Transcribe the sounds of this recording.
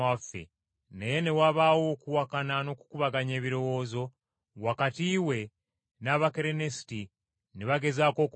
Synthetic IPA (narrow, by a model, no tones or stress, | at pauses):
afḛ | nejene̞waβawo̞ːkuwakanano̞ku̥kuβaɡaɲe̞ːβiɾo̞wo̞ːzo̞ | wakatiːwe̞ | naβakeɾenesi̥ti | neβaɡe̞zaːko̞ːk